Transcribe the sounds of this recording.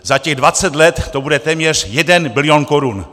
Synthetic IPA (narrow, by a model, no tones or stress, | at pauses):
zacɛɣdvat͡sɛt̪lɛt̪ːobudɛt̪ɛːmɲɛrjɛdɛnbɪlɪjonkoɾun